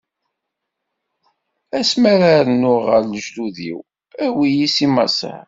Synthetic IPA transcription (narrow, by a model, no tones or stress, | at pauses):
æsmæɾaɾənːʊʁəɾləʒluðḭw | æwijisimɑ̰sə̰